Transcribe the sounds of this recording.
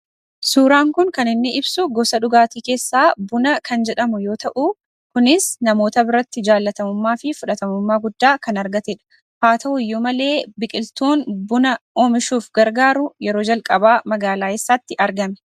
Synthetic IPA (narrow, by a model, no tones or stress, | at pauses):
suːɾaːŋkʊnkɐnɪnːɪʔɪbsʊɡɔsɐᶑʊɡaːt̪iːke̞ːsːaːbʊnɐkʰɐnd͡ʒɛᶑɐmʊjo̞ːt̪ɐʔʊ | kʊnɪsnɐmo̞ːt̪ɐbɪɾɐt̪ːɪd͡ʒaːlːɐt̪ɐmʊmːaːfɪfʊᶑɐt̪ɐmʊmːaːɡʊd̪ːaːkɐnɐɾɡɐt̪eᶑɐ̥ | haːt̪ɐwʊjːʊmɐle̞ːbɪkʼɪlt̪oːnbʊnɐoːmɪʃuːfɡɐɾɡaːɾʊjɛɾo̞ːd͡ʒɐlkʼɐbaːmɐɡaːlaːesːaːt̪ːɪʔɐɾɡɐmɛ̥